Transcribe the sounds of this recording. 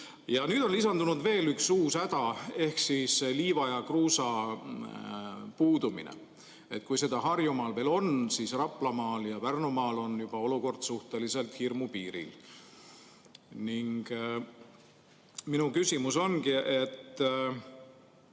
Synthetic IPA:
jɑnyːd̪̥o̞nlisɑnd̪unud̪ve̞ːlyksuːsæd̪̥ɑe̞hksiseliːvɑjɑkruːsɑ | puːd̪̥umḭnḛ | e̞t̪̚ːˑkujse̞d̪ɑɦɑrjumɑːlve̞ːlo̞nsisrɑplɑmɑːljɑpærnumɑːlo̞njub̥ɑo̞luko̞rd̪̥suht̪e̞lise̞lt̪hirmupiːɾḭl | niŋɡ̥ | minukysimuso̞nkiʔe̞t̪ːˑ

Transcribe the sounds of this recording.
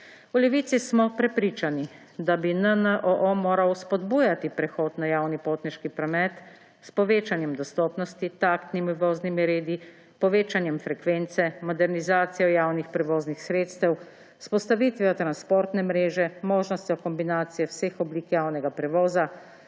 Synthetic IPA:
ulɛʋiːt̪sismɔpɾɛpɾiːt͡ʃani | d̪abinənəʔɔʔomoːɾawspɔd̪buːjat̪ipɾɛxoːd̪nɔjaːwnipoːt̪nɛɾʃkipɾɔmɛt̪ | spɔʋeːt͡ʃanjɛmd̪ɔst̪ɔːpnɔst̪it̪aːkt̪nimuʋoːznimiɾeːd̪i | pɔʋeːt͡ʃanjɛmfɾɛkʋeːnt̪sɛmɔd̪ɛɾnizaːt̪sijɔjaːwnixpɾɛʋoːznixsɾeːt̪st̪ɛw | spɔst̪aʋiːt̪ʋiɔt̪ɾanspoːɾt̪nɛmɾeːʒɛmoːʒnɔst̪jɔkɔmbinaːt̪sijɛwseːxɔbliːkjaːwnɛɡapɾɛʋoːza

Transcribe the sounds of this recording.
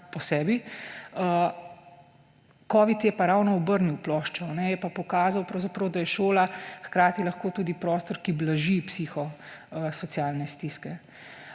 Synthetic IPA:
pɔsɛːbiə | kɔːʋit̪jɛpaɾawnɔɔbəɾniwplɔːʃt͡ʃɔnɛjɛpapɔkaːzawpɾɐwzapɾɐwd̪ajɛʃoːlaxkɾaːt̪ilɐxkoːt̪uːd̪ipɾɔːst̪ɔɾkiblaʒipsixɔsɔt̪sjaːlnɛst̪iskɛ

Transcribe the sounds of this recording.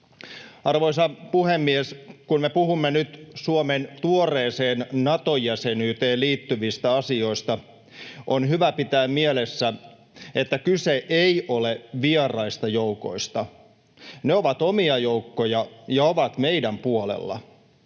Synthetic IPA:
ɑrʋo̞is̬ɑpuhemːieskunmepuhumːenyt̪suoment̪uoreːseːnnɑt̪ojːæsenyːt̪eːliːt̪ːyʋist̪æɑsio̞ist̪ɑ | ʔonɦyʋæpit̪æːmmielesːæ | et̪ːækyseʔeiʔoleʋierɑist̪ɑjouko̞̰ist̪ɑ | neoʋɑt̪omiɑjoukːojɑjɑoʋɑt̪meidæmpuolḛlːɑ̰

